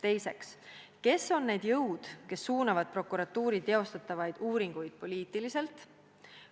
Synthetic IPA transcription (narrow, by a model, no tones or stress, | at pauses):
t̪e̞jse̞kske̞so̞nːe̞ːd̪̥jɤwd̪̥ke̞sːuːnɑvɑd̪̥̚pro̞kːˑuɾɑt̪ːˑuːɾit̪eo̞st̪ɑt̪ːˑɑvɑjd̪̥uːɾiŋɡ̥ujd̪̥̚po̞lʲiːt̪ːˑilise̞lt̪ˑ